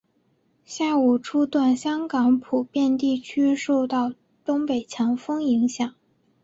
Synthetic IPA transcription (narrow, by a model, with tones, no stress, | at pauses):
ɕja˥˩u˨˩ʈ͡ʂʰu˥t̪wa˥˩nɕjɑ˥ŋkɑ˧˥ŋpʰu˨˩pjɛ˥˧nt̪i˥˩t͡ɕʰy˥ʂo˥˧ʊt̪ɑ˥˩ʊ | t̪ʊ˥ŋpe˨˩ɪt͡ɕʰjɑ˧˥ŋfɤ˥ŋi˧˥ŋɕjɑ˨˩˦ŋ